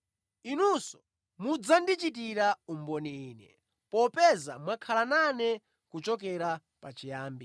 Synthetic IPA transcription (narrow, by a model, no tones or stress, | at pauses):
inusɔ̥ | mud͡zandit͡ʃitiɾaumbɔniiːnɛ̰ | pɔpɛza̰mwakʰalananɛ | kut͡ʃɔk̬ɛɾa | pat͡ʃijaːmbi